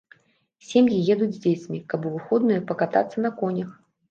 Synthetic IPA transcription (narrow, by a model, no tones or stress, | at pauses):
sʲemjijɛd̪ud͡zʲzʲd͡zʲet͡sʲmʲikɐbuvɨxɔd̪nɨjɐpɐkat̪a̰t̪sːɐnɐkɔnʲɐx